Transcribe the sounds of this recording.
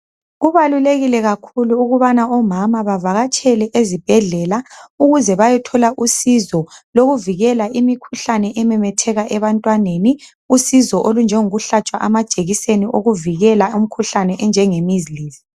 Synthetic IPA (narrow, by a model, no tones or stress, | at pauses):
ɣuβaluleɣilɛɣakʰuluːɣuβanaɔmamaβavaɣat͡ʃʼɛlɛʔezib̥ʱɛɮɛlauɣuzɛβajɛtʰɔlaʔusizɔloɣuviɣɛlaʔimikʰuɬanɛʔɛmɛmɛtʰɛɣaʔɛβantʼwaneni | usizɔʔolund͡ʒʱɛŋoɣuɬat͡ʃʼwaʔamad̥ʒ̥ʼʱeɣiseniʔoɣuviɣɛlaum̩kʰuɬanɛʔɛnd͡ʒʱɛŋemiziliːzi̥